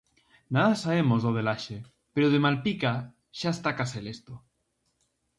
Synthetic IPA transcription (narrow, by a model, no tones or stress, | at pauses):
naðasaβemozðoðelaʃe | peɾoð̞emalpika | ʃaest̪akaselest̪o